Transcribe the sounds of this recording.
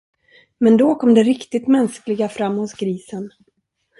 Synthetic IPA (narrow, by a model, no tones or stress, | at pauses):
mɛnd̪ɔkʰɔmd̪ɛɾɪkt̪ɪt̪mɛnsklɪɡafɾamːhʊsɡɾiːsən